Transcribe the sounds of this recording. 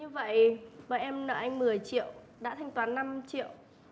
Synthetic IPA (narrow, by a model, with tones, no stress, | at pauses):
ɲɨ˧və̰˧˨jɓəː˧˨˩jʔɛ˧mnə̰ː˧˨˩ʔa˧jŋ̟mɨ˨˩əjt͡ɕḭ˧˨əw | ɗa̰ː˧˥t̪ʰɛ˧jŋ̟t̪waː˨˦nːa˧mt͡ɕḭ˧˨əw